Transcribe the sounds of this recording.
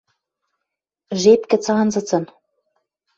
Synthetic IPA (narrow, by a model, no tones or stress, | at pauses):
ʒepkɘ̆t͡sɑnzɤ̆t͡sɤ̆n